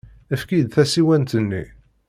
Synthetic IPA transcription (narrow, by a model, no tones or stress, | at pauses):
əfkid̪θæsiwænt̪ənːḭ